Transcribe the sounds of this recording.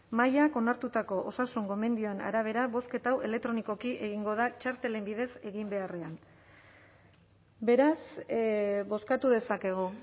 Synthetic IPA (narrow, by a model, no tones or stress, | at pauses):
majako̞naɾt̪ut̪ako̞ʔosasuŋɡo̞me̞nd̪io̞e̞na̰ɾaβ̞e̞ɾaβo̞ske̞t̪awe̞le̞k̚t̪ɾo̞niko̞kiʔe̞ɣiŋɡo̞ðat͡ʃaɾt̪e̞le̞mbið̞e̞se̞ɣimbe̞are̞an | be̞ɾas | bo̞skat̪uðe̞sake̞ɣ̞o